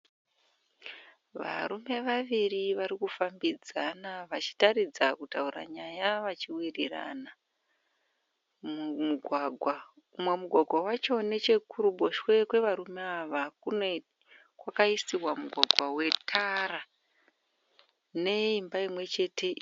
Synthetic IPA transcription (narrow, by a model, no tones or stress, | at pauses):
ʋa̰ɾume̞ʋaʋiriʋaɾikufambid͡zanaʋat͡ʃi̥tarid͡zakutaura̰ɲajaʋat͡ʃiwirira̰na | mmuɡʱwaɡʱwa | umwe̞muɡʱwaɡʱwawat͡ʃo̞ne̞t͡ʃe̞kuɾubʱo̞ʃwe̞kwe̞ʋaɾumeaʋakune | kwakaisiwamuɡʱwaɡʱwawe̞tʰara | ne̞imbaimwe̞t͡ʃe̞ːtʰe̞